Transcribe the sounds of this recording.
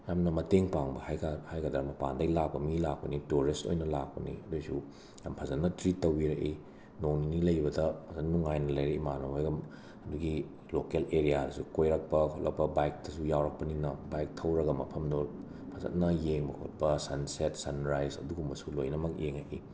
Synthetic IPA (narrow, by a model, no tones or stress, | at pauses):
jamnɐmɐteŋpaŋbɐhajkahajɡɐdɐɾɐmɐpa̰ndɐjlak̚pɐmilak̚pɐnituɾisto̰jnɐlak̚pɐnḭɐdojsu | jampʰɐzɐtnɐtɾitːɐwiɾɐʔi | nowninilɐjbɐdɐpʰɐzɐnːuŋajnɐlɐjɾeimanoɦojɡɐm | ɐduɡi | lokeleɾijaɾɐsukojɾɐk̚pɐkʰotlɐ̰k̚pɐbajk̚tɐsujawɾɐk̚pɐninɐbajk̚tʰɐwɾɐɡɐmɐpʰɐmdo | pʰɐzɐ̰t̚nɐjeŋbɐkʰo̰t̚pɐsɐnsetsɐnɾajzɐ̰duɡumbɐsulojnɐmɐkjeŋa̰ʔḭ